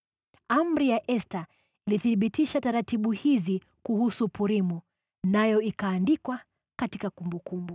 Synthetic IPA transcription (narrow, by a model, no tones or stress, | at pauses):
am̩ɾijaʔɛsta | iliθiɓitiʃataɾatiɓuhizi | kuhusupuɾimu | najɔikaːndikwa | katikakumbukumbu